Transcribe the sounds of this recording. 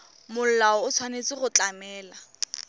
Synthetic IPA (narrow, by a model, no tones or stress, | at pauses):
mʊl̩laɔʊt͡sʰwanet͡sɪχʊt͡ɬamɛːla